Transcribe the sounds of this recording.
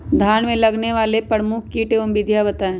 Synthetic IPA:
d̪ʱaːnmẽlɐɡneʋaːlepɾəɾmʊkʰkiːʈeʊmbid̪ʱjabɐt̪aẽː

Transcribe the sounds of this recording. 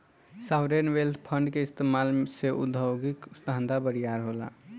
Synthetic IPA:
saʊɾenʋelt̪ʰpʰəɳɖkeɪst̪emalseʔʊ̰d̪ʱəwɡiksd̪ʱand̪ʱabəɾijaɾɦola̰

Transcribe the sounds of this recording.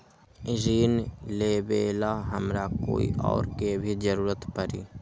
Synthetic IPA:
ɪd͡ʒiːnleːbeːlaɦəmɾako̰ːḭʔɔ̰ːɾkebʱid͡ʒəɾuːɾət̪pəɾḭː

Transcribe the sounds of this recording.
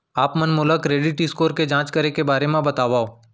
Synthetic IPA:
aːpmɐnmʊləkɾeːɖɪʈɪskoːɾked͡ʒãːt͡ʃkɐɾekebaːɾemẽbɐt̪aːʋaːoː

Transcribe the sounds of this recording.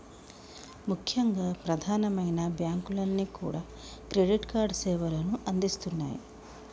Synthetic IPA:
mukʰjɐŋɡaːpɾɐd̪ʱaːnɐmɐjnɐbjaːŋkulɐnːiːkṵːɽaː | kɾeɖiʈkaːɾɖsɛːʋɐlɐnuʔɐnd̪ist̪unːa̰ːjḭ

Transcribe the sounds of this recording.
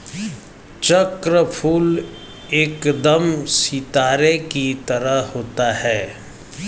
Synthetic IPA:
t͡ʃəkɾəpʰuːl | eːkd̪əmsit̪aːɾekit̪əɾəɦhoːt̪aɦɛː

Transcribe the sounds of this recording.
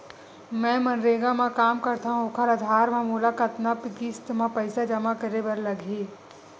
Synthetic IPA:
mɛ̃ːmɐnɾeːɡamãkaːmkɐɾt̪aɦũʊkʰəɾɐd̪ʱaːɾmãmuːlakɐt̪napɡist̪mãpɐɪsad͡ʒɐmakəɾebɐɾlɐɡʱeː

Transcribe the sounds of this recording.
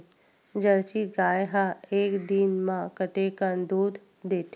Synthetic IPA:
d͡ʒəɾt͡ʃiɡaːjɦaeːkd̪inmãkət̪ekənd̪uːd̪ | d̪eːt̪ʰ

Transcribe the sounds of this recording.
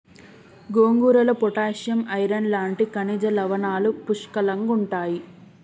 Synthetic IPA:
ɡoːŋɡuːɾɐlɐpɔʈaːʂjɐmɐjɾɐnlaːɳʈikɐnid͡ʒɐlɐʋɐnaːlupuʂkɐlɐŋɡuɳʈaːji

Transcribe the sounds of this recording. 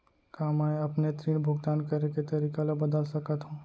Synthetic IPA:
kamaɐpnet̪ɾiːnbʱʊɡt̪aːnkɐɾeket̪ɐɾiːkalabɐd̪əlsɐkət̪ɦũː

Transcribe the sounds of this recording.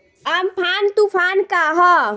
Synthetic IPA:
ampʰaːnt̪upʰaːnkaɦɔ

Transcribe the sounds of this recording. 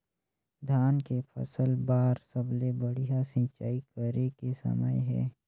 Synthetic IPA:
d̪ʱjaːnkepʰə̰səlbaːɾsəblebəɽijasɪ̃t͡ʃa̰ːikəɾekesə̰mə̰jɦɛ̰ː

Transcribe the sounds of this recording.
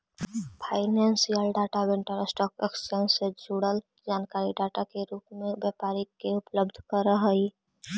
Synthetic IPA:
pʰaɪnensijəlɖaʈabẽɳʈəɾəsʈɔkekspensed͡ʒʱuɽəl | d͡ʒaːnkaɾiɖaʈakeɾuːpmẽbjapaɾikːeupləbd̪ʱkəɾəɦəi

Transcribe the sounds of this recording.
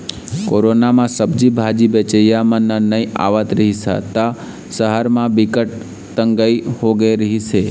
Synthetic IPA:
koɾonamãsəbd͡ʒibʱad͡ʒibet͡ʃəjamãnənəia̰ʋət̪ɾəɦisa̰t̪a | səɦəɾmãbikəʈ̚ | t̪əŋɡaihoɡeɾəɦisʰe

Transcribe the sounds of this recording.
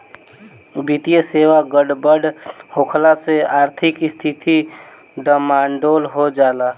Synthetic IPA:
bit̪ijəseʋaɡəɖbəɖhokʰlaseaːɾt̪ʰɪkst̪ʰit̪ʰi | ɖəmaɳɖolɦod͡ʒala

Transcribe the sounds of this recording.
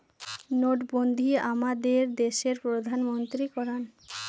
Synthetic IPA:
noʈbond̪ʱiamad̪eɾd̪eʃeɾpɾod̪ʱanmont̪ɾikɔɾan

